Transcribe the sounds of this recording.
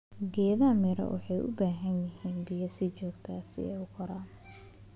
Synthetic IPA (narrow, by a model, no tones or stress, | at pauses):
ɡɛːðamɪɾɐ̰wʔɑ̰ħɑjʊ̰baːɦɐnjɪhiːnbɪjɐsɪt͡ʃɔːɡt̪ʰaːsɪ̰ɛʊkʰɔɾaːn